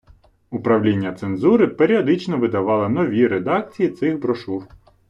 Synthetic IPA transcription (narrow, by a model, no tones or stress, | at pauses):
ʊpɾɐwlʲinʲːɐt̪senzuɾɪpeɾʲiɔd̪ɪt͡ʃnɔʋɪd̪ɐʋɑlˠɪnɔʋʲiɾed̪ɑk̚t͡sʲijit̪sɪxbɾɔʃuw